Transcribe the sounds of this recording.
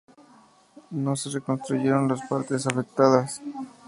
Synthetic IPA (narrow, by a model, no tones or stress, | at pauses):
no̞se̞reko̞nst̪ɾuʝeɾonlaspaɾt̪es̬afe̞k̚t̪aðas